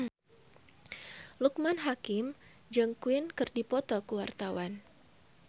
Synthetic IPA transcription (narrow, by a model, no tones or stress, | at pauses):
luk̚manɦakɪm | d͡ʒəŋkuinkɨrdipɔt̪ɔkuwart̪awan